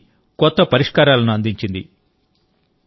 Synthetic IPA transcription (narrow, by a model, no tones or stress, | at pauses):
kɔt̪ːɐpɐɾiʂkaːɾaːlɐnuɐnd̪iɲt͡ʃind̪i